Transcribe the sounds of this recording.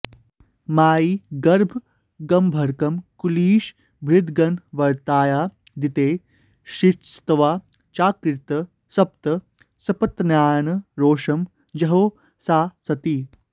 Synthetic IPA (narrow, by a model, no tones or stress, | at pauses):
maːiːɡɐɾbʱ | ɡɐmbʱɐɾkɐmkuliːʃ | bʱɾɪd̪ɡɐnʋɐɾt̪aːjaː | d̪it̪eː | ʃiɾst̪ɐʋaː | t͡ʃaːkɾɪt̪ɐ | sɐp̚t̪ɐ | sɐpɐt̪njaːnɐɾoːʂɐm | jɐɦoː | saːsɐt̪iː